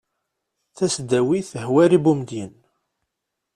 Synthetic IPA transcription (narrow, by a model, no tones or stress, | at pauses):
θæsd̪æwiθəhwæɾibumd̪jən